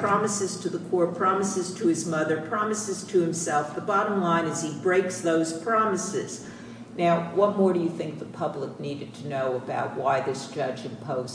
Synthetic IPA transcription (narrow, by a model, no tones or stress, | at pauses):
pʰɹ̥ɑmɨsɨz̥tʰɨðəkʰɔɹpʰɹ̥ɑmɨsɨz̥tʰɨɨzmʌðə˞pʰɹ̥ɑmɨsɨz̥tʰɨhɨ̃msɛlˠfðəbɑɾə̃mlãɪ̃nɨz̥ibɹeɪksðoʊz̥pʰɹ̥ɑmɨsɪz̥ | naʊwʌt̚mɔɹɾɨjɨθɪ̃ŋk̚ðəpʰʌblək̚niɾɨd̚tʰɨnoʊəbaʊt̚waɪðɪsd̥ʒ̥ʌd͡ʒɨ̃mpʰoʊz